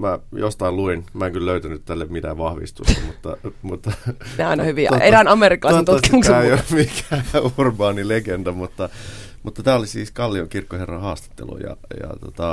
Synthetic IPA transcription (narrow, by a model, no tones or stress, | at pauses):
mæjost̪ɑilluinmæeŋkylløyt̪ænyt̪t̪ælːemmit̪æʋɑhʋḭst̪ṵsḛmut̪ːɑ̰mut̪ːɑneɑˑinɑhyʋioerænɑmeriˑkːɑlɑˑisnt̪ukimuksæːeiomikæurbɑːnileɡend̥̪æmut̪ːɑ | mʔut̪ːɑt̪æːolisiːskɑlːioŋkirkːoherːɑhɑːst̪e̥t̪ːḛlṵjɑ̰jɑ̰t̪o̰t̪ɑ